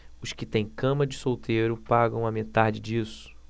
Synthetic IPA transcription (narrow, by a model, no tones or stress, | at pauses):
ʊskɪt̪ẽj̃kɐ̃mɐd͡ʒɪsowt̪ejɾʊpaɡɐ̃w̃ɐmet̪ad͡ʒɪd͡ʒisʊ̥